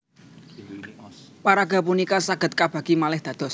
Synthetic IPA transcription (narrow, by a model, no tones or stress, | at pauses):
paɾaɡ̥a̤punikasaɡ̥ə̤t̪̚kab̥ä̤ɡ̥imalɪhd̪̥ä̤d̪̥ɔ̤s